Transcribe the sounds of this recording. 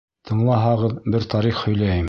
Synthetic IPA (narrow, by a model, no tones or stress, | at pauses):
t̪ʰɤ̆ɴlˠɑɦɑʁɤðbɘɾt̪ɑɾiχhɵ̆jlæjɘm